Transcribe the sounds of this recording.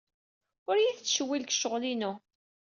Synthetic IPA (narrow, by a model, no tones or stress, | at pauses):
ʊɾjiðt͡sːʃəwːilkʃəʁlinu